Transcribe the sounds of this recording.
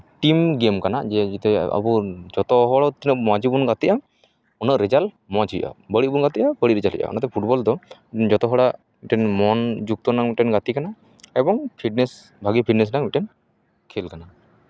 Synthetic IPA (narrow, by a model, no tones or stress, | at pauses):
ʈimɡemkana̰d͡ʒɛd͡ʒit̪ɛa̰buɾd͡ʒɔt̪ɔɦɔɽɔt̪inəʔmãd͡ʒibunɡat̪iʔa | ɔnəʔɾɛd͡ʒal | mɔd͡ʒijʔa̰bəɽiʔbunɡat̪iʔabəɽiɾɛd͡ʒalɦḭjʔa̰ɔ̰nat̪ɛpʰuʈbɔld̪ɔiɛnd͡ʒɔt̪ɔɦɔɽaʔ | miʈɛnmɔnd͡ʒuk̚t̪ɔnaŋmiʈɛnɡat̪ikana | ɛbɔŋpʰiʈ̚nɛs | bʱaɡipʰiʈnɛs̬naŋmiʈɛn | kʰelkana